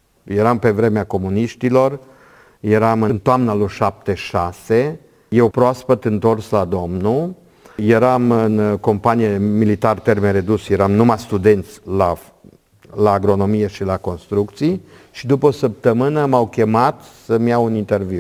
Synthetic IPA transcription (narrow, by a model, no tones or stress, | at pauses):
jeɾampe̞vɾe̞meako̞muniʃt̪ilo̞r | je̞ɾamɨnt̪oamnaluʃap̚t̪e̞ʃase̞ | je̞wpɾoaspət̪ɨnt̪o̞rslad̪o̞mnu | je̞ɾamɨnko̞mpanijemilit̪art̪ermeɾe̞d̪usjeɾamnumast̪ud̪e̞nt̪sʲla | laːɡɾo̞no̞mije̞ʃilako̞nst̪ɾuk̚t̪sij | ʃid̪upəosəp̚t̪əmɨnəmawkʲe̞mat̪səmjawunint̪e̞rviw